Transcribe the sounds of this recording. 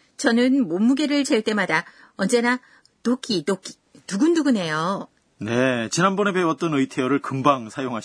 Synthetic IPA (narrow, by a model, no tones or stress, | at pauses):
t͡ɕʌnɯnmomːuɡe̞ɾɯɭt͡ɕeɭt͈e̞mada | ʌnd͡ʑe̞na | tok͈ʰitok͈ʰi̥ | nuɡunduɡune̞jo | ne̞t͡ɕinanbʌnebeʌt͈ʌnɯjtʰeʌɾɯɭkɯmbaŋsʰajoŋɦaɕ